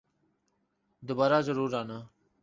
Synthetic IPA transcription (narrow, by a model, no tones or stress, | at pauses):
d̪oːbaːɾaːzəɾuːɾaːnaː